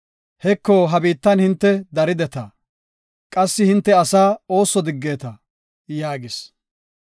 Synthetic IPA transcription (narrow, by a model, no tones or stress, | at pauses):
hɛkːoːɦɐbiːt̪ːɐnhɪnt̪ːɛd̪ɐɾɪd̪ɛt̪ɐ | kʼɐsːɪhɪnt̪ːɛɐsaːo̞ːsːɔd̪ɪɡːe̞ːt̪ɐ | jaːɡɪs